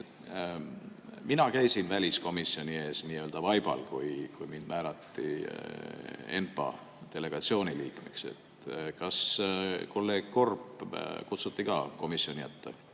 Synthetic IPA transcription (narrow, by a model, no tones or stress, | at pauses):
e | minɑkæjsinvælʲisko̞misːio̞nʲie̞ːsniːø̞ld̪ɑvɑjb̥ɑ̰lkujkujmind̪̥mæːlɑt̪ːḭ | e̞̰npɑ̰ | t̪e̞le̞ɡ̥ɑt̪sio̞ːniliːkmḛkse̞̰t̪kɑskolːeko̞rpkut̪sut̪ːikɑːko̞misːio̞nʲijæt̪ːḛ